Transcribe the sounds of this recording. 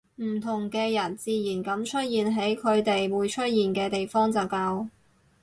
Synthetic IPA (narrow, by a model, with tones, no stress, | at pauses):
m̩˨˩t̪ʰʊ˨˩ŋkɛː˧jɐ˨˩nt͡siː˧jiː˨˩nkɐ˨˥mt͡ʃʰɵ˥t̚jiː˨nɦe˨˥jkʰɵ˨˧ɥt̪e˨jwuː˨˧˥jt͡ʃʰɵ˥t̚jiː˨nkɛː˧t̪e˨jfɔː˥ŋt͡sɐ˨˩wkaː˧w